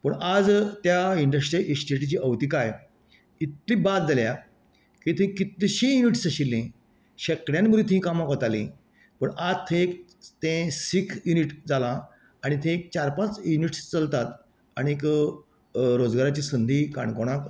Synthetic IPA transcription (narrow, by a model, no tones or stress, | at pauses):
pəɳʔad͡zt̪jaiɳɖəsʈɾiʔesʈeʈit͡ɕiːʔəʋt̪iːkaj | it̪ːibat̪̚d͡zalja | kit̪ʰĩkit̪ɕĩjuniʈsəɕilːẽ | ɕəkɽjãnbəɾiːt̪ʰĩkamakʋət̪alḭ̃ | pəɳad͡zt̪ʰẽek | t̪ẽsikʰjuniʈd͡zalã | aɽ̃it̪ʰẽk̚t͡ɕaɾpãt͡sjuniʈst͡səlt̪at̪ | aɽ̃iek | ɾod͡zɡaɾat͡ɕiːsənd̪ʱika̰ɳkoɽ̃ak